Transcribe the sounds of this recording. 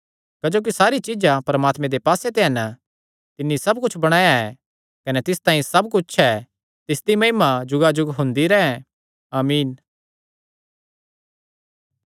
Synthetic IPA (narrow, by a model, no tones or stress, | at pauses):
kɐd͡ʒoːk̬isaːɾit͡ʃid͡ʒapɐɾmaːt̪mẽd̪epaːset̪eɦɛn | t̪ɪnːisɐbkʊt͡ʃʰbɐɽ̃aːjaɛ | kɐnɛt̪ɪst̪ãːĩsɐbkʊt͡ʃʰɛː | t̪ɪsd̪imɐɦimad͡ʒʊɡad͡ʒʊɡɦʊ̃nd̪iɾɛːɛ̃ | aːmiːn